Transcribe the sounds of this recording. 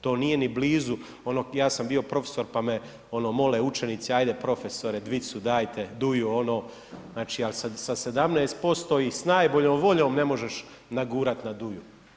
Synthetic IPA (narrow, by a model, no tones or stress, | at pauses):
t̪o̞ːnije̞nibliːzu | o̞noːjaːsambio̞pɾo̞fe̥so̞ɾpame | o̞no̞ːmo̞leut͡ʃenit̪siajd̪e̞pɾo̞feso̞ɾed̪ʋit̪sud̪aːjt̪ʰe̞d̪ujuo̞no̞ː | znaːt͡ʃiːalsasase̞d̪amneːst̪̚po̞st̪o̞ːisnaːjboʎoːmʋo̞ʎo̞ːmne̞mo̞ʒe̞ʃ | naɡuːɾat̪nad̪uju